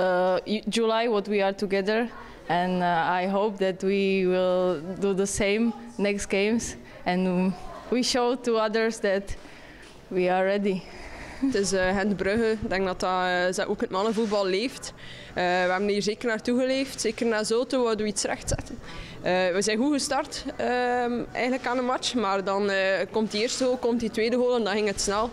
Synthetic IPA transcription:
əd͡ʒulajwɔtwiaɹtuɡɛðə˞ | ɛ̃najɦoʊp̚d̪ætwiwɪlˠdudəsẽɪmnɛkstɡ̥ẽɪ̃mz | ɛ̃nwiʃoʊtuʌdəɹzdæt | wiaɹɹɛdi | tɪsəːɦɛndbrøɣəɡ̚dɛŋɡ̚dɑtazɛʔoːkɦət̚mɑnəvud̚bɑlˠːeːft | ʔəʋəɦɛbəniːɹzeːkərnaːrtuɣəleːftseːkərnaːzoːtəʋɔwdə̃ʋəitsrɛ̰xtsɛ̰tən | əːʋəzɛnɦuɣəstɑrtəʔɛ̰jɣənləkaːnəmɑt͡ʃmaːrdɑnəkɔmt̚dieːrstəɦoːlˠkɔmtditweːdəɦoːlˠɛndɑnɣɪŋɦətsnɛlˠ

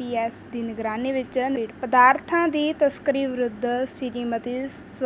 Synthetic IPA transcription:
iːɛːsd̪iːnɪɡɾaːneʋɪt͡ʃnːʈpəd̪aːɾt̪ʰãːd̪iːt̪əskɾiːʋɾʊd̪ːsiɾiːmət̪i

